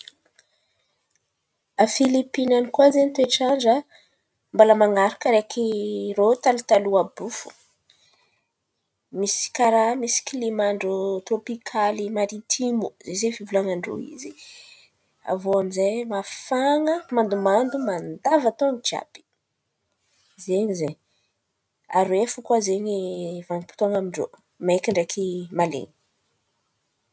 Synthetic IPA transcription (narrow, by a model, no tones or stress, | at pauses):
afilipinanikuazent̪ueʈ͡ʂaɳɖ͡ʐə | mbaləmaŋaɾakəɾekʰirot̪alut̪aluabufu̥̰ | misi̥kaɾamisi̥kilemaɳɖ͡ʐot̪ɾopikʰalimaɾit̪ʰimuzezefivulaŋaɳɖ͡ʐo̰ḭzi | a̰voamizajmafaŋəmand̪umand̪umand̪avat̪ond͡ʒa̰pi̥ | zeɲizeɲ | a̰ɾwefukwazeɲivaŋipi̥t̪oŋamiɳɖ͡ʐo̰ | maekiɳɖ͡ʐekʰimalḛɲi̥